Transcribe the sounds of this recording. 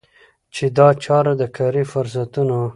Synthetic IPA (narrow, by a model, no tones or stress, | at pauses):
t͡ʃed̪ɑt͡ʃɑɾad̪əkʰɑɾifʊɾs̬at̪uno